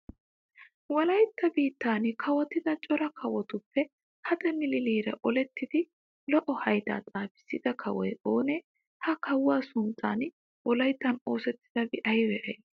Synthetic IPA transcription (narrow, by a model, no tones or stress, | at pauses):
wɐlɐjt̪ːɐbiːt̪ːaːnɪkʰɐwɐt̪ːɪd̪ɐt͡ʃʼɔɾɐkʰɐwɔt̪ʊpːɛ | hɐd̪ɛnːɪlɪliːɾɐ̰ʔɔlɛt̪ːɪd̪ɪ | lɔʔɔhɐjd̪a̰ːt͡sʼaːfɪ̥sːɪd̪ɐkʰɐwɔjoːne | hɐkɐwːaːsʊnt͡sʼːa̰ːn | wʔɔlɐjt̪ːɐno̞ːsɛt̪ːɪ̥d̥̪ɐbɪʔɐjwɛʔɐj